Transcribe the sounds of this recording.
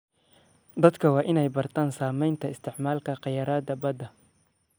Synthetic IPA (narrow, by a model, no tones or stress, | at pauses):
d̪ɐd̪kʰɐwɑːʔɪnɛjbɐrt̪ʰaːnsaːmɛjnt̪ʰɐɪst̪ʰɪʕmaːlkʰɐqɑjɐɾaːd̪ɐbɐd̪ɐ